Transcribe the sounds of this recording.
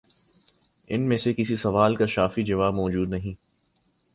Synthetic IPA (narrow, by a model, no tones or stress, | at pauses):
ɪnmẽsekɪsisɐʋaːlkaʃaːfid͡ʒɐʋaːbmɔːd͡ʒuːd̪nɐɦĩː